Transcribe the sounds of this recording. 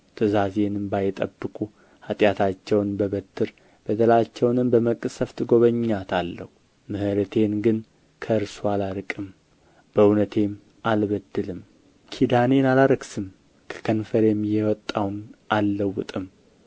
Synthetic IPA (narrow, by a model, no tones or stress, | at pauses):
t̪ʰɨzaze̞nɨmbajɪt̪ʼə̰bːɨkʼu | hat̪ʼjat̪ʰat͡ʃːɛwnbəβət̪ʰːɨɾ | b̥əd̪əlat͡ʃːɛwnɨmbəməkʼɨsəft̪ɡo̞βəɲːat̪ʰalːəhu | mɨhɨɾət̪ʰe̞nɡɨn | kʰəɨɾsualaɾɨkʼɨm | b̥əwnət̪ʰe̞m | ʔalβəd̪ːɨlɨm | kʰid̪ane̞nalaɾəɡsɨm | kʰə̥kʰənfəɾemːjɛwɔt̪ʼːawnʔalːəwːʊt̪ʼɨm